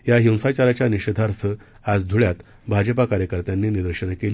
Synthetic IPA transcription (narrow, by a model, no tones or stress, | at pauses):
jaɦiw̃sat͡ɕaɾat͡ɕjaniɕəd̪ʱaɾt̪ʰə | ad͡zd̪ʱuɭjat̪ | bʱad͡ʑəpakaɾjəkəɾt̪janːiːnid̪əɾɕənkeli